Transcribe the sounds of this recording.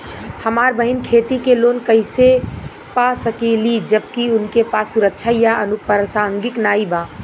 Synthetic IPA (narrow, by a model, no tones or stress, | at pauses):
həmaːɾbəɦɪnkʰeːt̪ikeloːnkəɪse | pasəkelid͡ʒəb̚kiʊnkepaːsːʊɾəkʃʰajaʔənupəɾəsaːŋɡɪknaːibaː